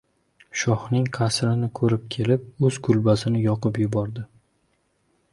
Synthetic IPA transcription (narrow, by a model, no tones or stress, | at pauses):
ʃɒhnɪŋqʰasɾɪnɪkʰɵɾɪp̚kʲʰe̞lɪp̚ɵz̥kʰʊlbasɪnɪjɒqɨpjʊbɒɾd̪ɪ